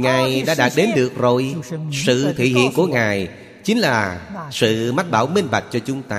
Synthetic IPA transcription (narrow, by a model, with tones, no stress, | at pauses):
ŋaː˨˩jjɗa̰ː˧˥ɗaː˨˩t̚ɗe˨˦nɗɨ˨˩ək̚zo˨˩jsɨ̰˧˨t̪ʰḭ˧˨ɦḭ˧˨ənku˧˩əŋaː˨˩j | t͡ɕï˨˦ŋ̟laː˨˩sɨ̰˧˨ma˦˥t̚ɓaː˧˩wmi˧ŋ̟ɓa˨˩k̟̚t͡ɕɔ˧t͡ɕʊ˨˦ŋ͡mt̪aː˧